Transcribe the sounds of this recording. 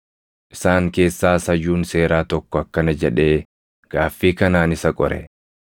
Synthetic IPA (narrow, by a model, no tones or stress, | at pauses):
ʔɪsaːŋke̞ːsːaːsɐjuːnse̞ːɾaːt̪ɔkːɔɐkːɐnɐd͡ʒɛᶑe̞ː | ɡ̥aːfːiːkɐnaːnɪsɐkʼɔ̰ɾɛ̰